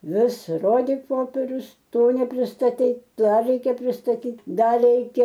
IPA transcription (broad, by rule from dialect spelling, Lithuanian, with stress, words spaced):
ˈʋʲɪs ˈroːdʲɪk ˈpoːpʲɛrʲʊs ˈtoː nʲɛpʲrʲɪstɐˈtʲɛɪ ˈdɐr ˈrʲɛɪkʲɛ pʲrʲɪstɐˈtʲiːtʲ ˈdɐr ˈrʲɛɪkʲɛ